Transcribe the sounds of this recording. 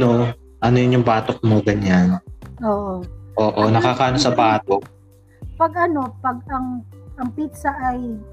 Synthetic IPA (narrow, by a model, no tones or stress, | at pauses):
no̞ | ʔɐnojʊnjʊŋbaːt̪ok̚moɡɐɲanʔoːʔoʔoːʔonɐkakaʔɐnosɐbaːt̪o | pɐɡ̚ʔɐno̞pɐɡ̚ɐŋʔɐŋpit̪sɐʔɐj